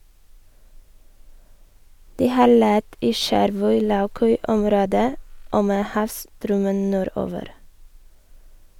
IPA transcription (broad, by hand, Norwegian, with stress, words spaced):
ˈdiː ˈhɑːɾ ˈlɛt ˈiː ˈʃæɾʋœʏ ˈlɑʉˌkœʏ ˈɔmɾoːdə ˈoː ˈmeː ˈhɑːʋstɾœmən ˈnuːˌɾoːʋəɾ